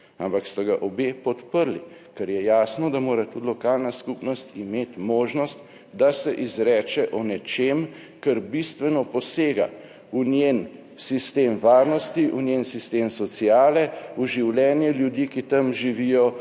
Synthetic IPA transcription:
ampakst̪aɡaʔɔbeːpɔt̪pəɾli | kɛɾjɛjaːsnɔd̪amoːɾat̪ud̪lɔkaːlnaskupnɔst̪imeːt̪moːʒnɔst̪ | d̪asɛʔizɾɛːt͡ʃɛʔɔnɛt͡ʃem | kəɾbist̪ʋɛnɔpɔseːɡa̰ | unjen | sist̪eːmʋaːɾnɔst̪iʔunjensist̪eːmsɔsiaːlɛuʒiwljɛːnjɛljud̪ikit̪amʒiʋijɔ

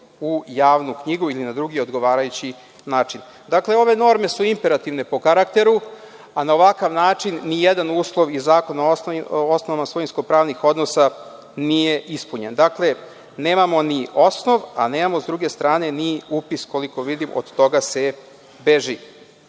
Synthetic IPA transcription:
ujaːʋnukɲiɡuilinad̪ɾuɡio̞d̪ɡo̞ʋaːɾajut͡ɕi | naːt͡ʃin | d̪akle̞o̞ʋe̞no̞ɾme̞suimpe̞ɾat̪iʋne̞po̞kaɾakt̪e̞ɾu | anao̞ʋakaʋnaːt͡ʂinːijed̪anuːslˠo̞ʋizaːko̞naosnoʋamasojinsko̞pɾaːʋnixo̞d̪nosa | nije̞ʔispuɲe̞nd̪akle̞ | ne̞ːmamo̞nio̞sno̞ʋa̰ne̞ːmamo̞zd̪ɾuɡe̞st̪ɾaːne̞niupisko̞liko̞ʋid̪imʔo̰d̪t̪o̞ɡase̞ | beʒi

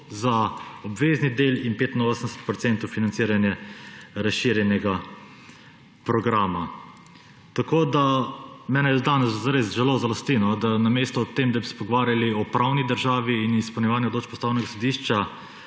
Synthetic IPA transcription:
zaɔbʋeːznid̪elinpeːt̪inoːsənd̪ɛsɛ̥t̪̚pɾɔt̪sɛnt̪ɔwfinant̪siːɾanjɛɾasʃiɾjɛnjɛɡa | pɾɔɡɾaːma | t̪akoːd̪amɛːnɛjd̪aːnɛszaɾezʒɛlozalɔst̪inɔd̪anameːst̪ɔːt̪emd̪abisɛ̥pɔɡɔʋaːɾjaliɔpɾʔawnid̪əɾʒaːʋiːnispɛwnjɛʋaːnjɛɔd̪loːt͡ʃpɔst̪aːwnɛɡasɔd̪iːʃt͡ʃa

